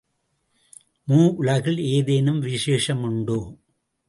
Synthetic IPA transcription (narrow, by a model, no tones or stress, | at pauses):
muːʔʊɭɐɣɪɭeːðeːnɯmʋɪʂeːʂɐmʊɳɖoː